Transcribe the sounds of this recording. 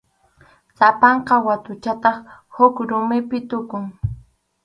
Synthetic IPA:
sapɑɴqɑwat̪ʊt͡ʃat̪ɑχhʊkɾʊmɪpɪt̪ʊkʊŋ

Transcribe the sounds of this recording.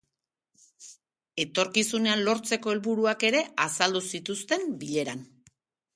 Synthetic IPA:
e̞t̪o̞ɾkisune̞anlo̞ɾt͡se̞ko̞e̞lβuɾuake̞ɾe̞ʔasald̪usit̪ust̪e̞mbiʎe̞ɾan

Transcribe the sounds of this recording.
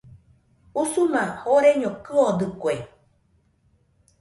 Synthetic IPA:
usumãhoɾeɲõkɨod̪ɨkʷe

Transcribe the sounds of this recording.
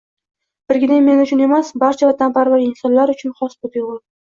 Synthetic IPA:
b̥ɪɾɡʲɪneŋme̞nʊt͡ʃʰʊne̞masbaɾt͡ʃʰavat̪ʰanpaɾvaɡʲɪnsɒnlaɾʊt͡ʃʰʊnχɒsb̪ot̪jʊʁʊl

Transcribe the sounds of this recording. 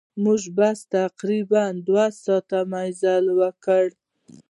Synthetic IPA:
muʒbast̪aqɾiband̪wasɑt̪amajzalwəkəɽ

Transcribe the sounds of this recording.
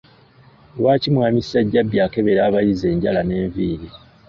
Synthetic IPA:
waːcimwaːmisaɟːabjaːke̞βe̞ɾaːβajize̞ːɲɟalane̞ːɱviːɾi

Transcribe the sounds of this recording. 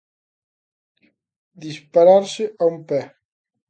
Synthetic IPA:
d̪ispaɾaɾsɪʔaumpɛ

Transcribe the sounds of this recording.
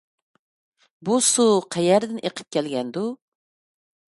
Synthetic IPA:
busuqʰɛjɛɾd̪ɪnʔeqʰə̥p̚kʲʰɛlɡʲɛnd̪u

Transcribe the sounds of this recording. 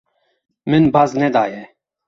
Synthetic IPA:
mɨnbaznɛd̪aːjɛ

